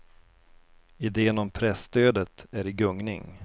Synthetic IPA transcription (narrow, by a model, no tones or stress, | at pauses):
ɪd̪eːənɔmpʰɾɛst̪øːd̪ət̪æɾɪɡɵŋnɪ̰ŋ